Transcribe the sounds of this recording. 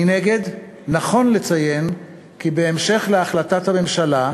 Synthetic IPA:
ineɡe̞d | naχo̞nle̞t͡saje̞n | kibe̞ːmʃe̞χleaχlatathame̞mʃala

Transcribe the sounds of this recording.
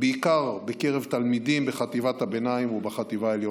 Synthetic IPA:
beikaʁbeke̞ʁe̞vt̪almid̪imbeχat̪ivat̪habenaimubaχat̪ivaeljo

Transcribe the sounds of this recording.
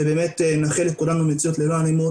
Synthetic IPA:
ebeːmetenaχelekulamemet͡siotlevanimo

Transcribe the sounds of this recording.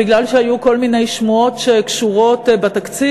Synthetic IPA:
iɡlalʃeajuko̞lmine̞jʃmuo̞tʃekʃuʁo̞tbat̪akt͡si

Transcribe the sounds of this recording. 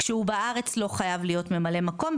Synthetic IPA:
kʃeubaʔaʁe̞t͡slo̞χajavlijo̞tme̞male̞mako̞m

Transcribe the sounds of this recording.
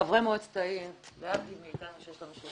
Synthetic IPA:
avʁemeod̪t͡st̪aimleabt̪ivmeit̪anuʃejeʃlanuʃu

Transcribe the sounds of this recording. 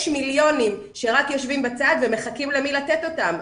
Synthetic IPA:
ʃmiljo̞nim | ʃe̞ʁakjo̞ʃvimbat͡sad̪veme̞χakimlemilatet̪o̞tam

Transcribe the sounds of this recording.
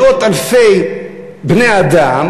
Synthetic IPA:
ot̪alfej | bnejad̪am

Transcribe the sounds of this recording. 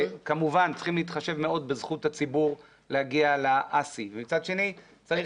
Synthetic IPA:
kamuvant͡si̥χimliiːt̪χaʃe̞vme̞o̞d̪bezχut̪hat͡sibuʁ | lehaɡialaʔasivemit͡sad̪ʃe̞ni | t͡sai

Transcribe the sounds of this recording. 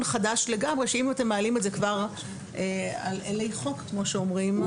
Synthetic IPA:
nχadaʃle̞ɡamʁeʃeimat̪emːaːlimetzekvaʁ | ʔealelejχo̞kkmo̞ʃeomʁim

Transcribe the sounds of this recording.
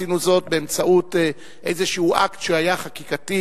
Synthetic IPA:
inuzo̞t̚beemt͡saʔut | ʔejzeʃiuʔaktʃeajaχakikati

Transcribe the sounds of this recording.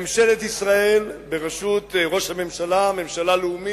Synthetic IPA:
mʃe̞let̪isʁae̞lbe̞ʁaʃut̪ʁo̞ʃhame̞mʃalame̞mʃalaleumi

